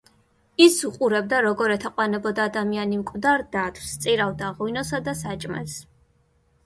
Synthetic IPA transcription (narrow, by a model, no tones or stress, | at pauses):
isuqʼuɾɛb̚d̪aɾɔɡɔɾɛt̪ʰaqʼwanɛbɔd̪aːd̪amianimkʼvd̪aɾd̪at̪ʰwst̪sʼiɾavd̪aʁwinɔsad̪asat͡ʃʼmɛ̰s